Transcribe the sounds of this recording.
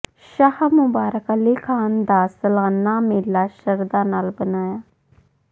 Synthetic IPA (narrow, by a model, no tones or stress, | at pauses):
ʃahamʊbaːɾəkalekʰaːnd̪aːsəlɣənːaːmelːaːʃəɾd̪aːnaːlbənaːjaː